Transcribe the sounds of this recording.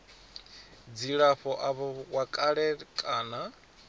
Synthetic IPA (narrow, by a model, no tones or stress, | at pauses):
d͡ziɺaɸɔʔaβɔwakʼaɺɛkʼaːna